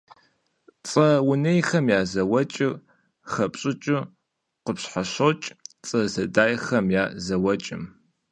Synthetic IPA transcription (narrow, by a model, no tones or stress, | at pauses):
t͡sʼɐwʊnejxɐmjaːzɐwɐt͡ʃʼɪr | χɐpʼɕʼɨt͡ʃʼɨ | qəpɕħaɕowt͡ʃʼt͡sʼɐzɐdaːjxɐmjaːzɐwɐt͡ʃʼɪ̰m